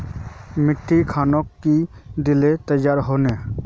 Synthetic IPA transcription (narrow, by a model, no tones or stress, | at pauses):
mɪʈʰːikʰaːnokːid̪ɪlet̪əjaːɾɦoːne